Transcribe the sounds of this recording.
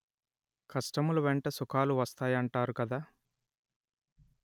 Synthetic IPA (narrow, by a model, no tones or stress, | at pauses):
kʰɐsʈɐmuluʋeɳʈɐsukʰaːluʋɐst̪aːjɐɳʈaːɾukɐd̪aː